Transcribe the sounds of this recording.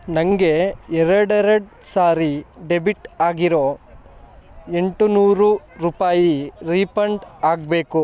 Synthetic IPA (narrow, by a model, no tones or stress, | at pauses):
nɐŋɡe̞ɛɾɐɽɐɾɐɽsaːɾiɖebiʈaːɡiɾo̞ː | e̞ɳʈunuːɾuɾuːpaːjiɾiːpɐɳɖaːɡbe̞ːku